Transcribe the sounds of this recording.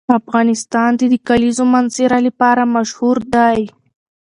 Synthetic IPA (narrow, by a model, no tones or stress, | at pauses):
afɣɑnɪst̪ɑnd̪ed̪əkalizomanzeɾaləpɑɾamaʃhuɾd̪aj